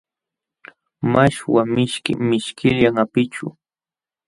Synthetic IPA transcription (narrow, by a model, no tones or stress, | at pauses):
maʃwamɪʃkɪ̰mɪʃkʰɪʎaŋapɪt͡ʃʊ̰